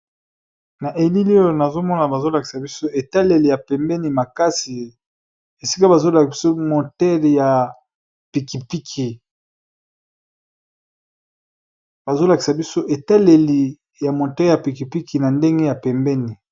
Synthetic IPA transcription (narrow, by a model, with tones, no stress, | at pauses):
na˨ʔe˨li˦lo˦jo˨na˨zo˦mɔ˦na˨ba˨zo˦la˨ki̥˨sa˨bi˦so˦e˨ta˦le˨li˨ja˨pɛ˨mbɛ˦ni˨ma˨ka˦si˨ | e˨si˦ka˦ba˨zo˦la˨i˨so˦mo˨tɛ˦lja˨ | pi˨ki˨pi˦kʰi˨ | ba˨zo˦la˨ki˨sa˨bi˦so˦ʔe˨ta˦le˨li˨ | ja˨mõ˨tɛ˦ja˨pi˨ki˨pi˦ki˨na˨nde˦ŋɡe˦ja˨pɛ˨mbɛ˦ni˨